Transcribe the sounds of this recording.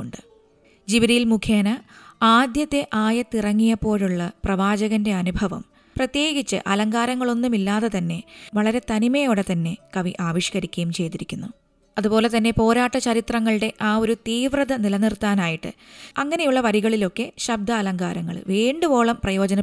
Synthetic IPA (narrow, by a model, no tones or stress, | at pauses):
uɳɖɨ | d͡ʑiʋɐɾijilmukʰjeːnɐaːd̪jɐt̪ːe̞ʔaːjɐt̪ːirɐŋːijɐpːo̞ːɻuɭːɐprɐʋaːd͡ʑɐɣɐnde̞ɐnubʱɐʋɐ̰m | prɐt̪je̞ːɡit͡ɕːɨ̰ʔɐlɐŋɡaːɾɐŋːɐɭo̞nːumilːaːðet̪ɐnːe̞ʋɐɭɐɾe̞t̪ɐnimɐjo̞ːɽe̞t̪ɐnːe̞kɐʋiʔaːʋiɕkɐɾikʲːɐjumt͡ɕe̞jt̪iɾikʲːunːu | ɐðupo̞ːle̞t̪ɐnːe̞po̞ːɾaːʈːɐt͡ɕɐɾit̪rɐŋːɐɭɨɽe̞ʔaːo̞ɾut̪iːʋrɐðɐnilɐnirt̪aːnaːjiʈːɨ̰ɐŋːɐne̞juɭːɐʋɐɾiɣɐɭilo̞kːe̞ɕɐb̚d̪ʱɐːlɐŋɡaːɾɐŋːɐ̰ɭʋiːɳɖɨbo̞ːɭɐmprɐjo̞ːd͡ʑɐnɐ